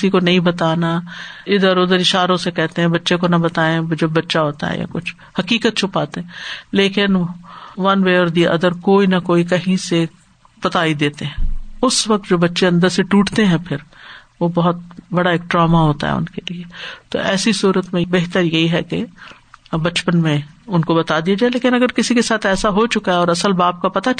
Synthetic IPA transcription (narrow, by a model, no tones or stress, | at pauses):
kɪsikonɐɦĩbɐt̪aːnaɪd̪əɾʊd̪əɾɪʃaːɾõsekɛɦt̪ẽɦɛ̃bɐtːʃẽkonɐbɐt̪aːẽd͡ʒɐbbɐtːʃaɦoːt̪a̰ɦɛ̰ja̰kʊt͡ʃʰ | hɐkiːkət̪̚t͡ʃʰʊpaːt̪eɦɛ̃leːkɪnʋɐnʋeɔːɾd̪iʔɐ̰d̪əɾkoːinɐkoːikɐɦĩse | b̥ɐt̪aːid̪eːt̪eɦɛ̃ːʊsʋɐk̚t̪d͡ʒoːbɐtːʃeɐ̃nd̪əɾseʈuːʈt̪eɦɛ̃pʰɪɾ | ʋobɐɦʊt̪̚bɐɽaeːk̚ʈɾaːmaɦoːt̪a̰ɦɛ̰ʊ̰nkeliet̪o̰ʔɛːsisuːɾət̪mẽbeːɦt̪əɾjɐɦiɦɛke | bɐt͡ʃpənmẽʊnkobɐt̪ad̪iad͡ʒaːeleːkɪ̃nɐɡəɾkɪsikesaːt̪ʰɛːsaɦot͡ʃʊkaɦɛɔːɾɐsəlbaːp̚kapɐt̪a